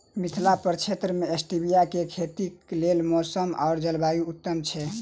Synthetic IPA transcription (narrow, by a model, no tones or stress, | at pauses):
mit̪ʰlapəɾt͡ʃʰet̪ɾəmeesʈibijakekʰet̪iklelmɔsəma̰ʊɾd͡ʒəlbajuut̪ːəmt͡ʃʰɛ